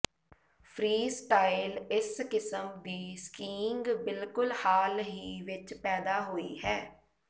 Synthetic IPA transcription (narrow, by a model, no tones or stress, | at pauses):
pʰɾiːsʈaːɪlɪskɪsəmʋ̪iːskiːŋɡbɪlkʊlhaːlɦiːʋɪt͡ʃpɛːd̪aːɦoːiːɦɛː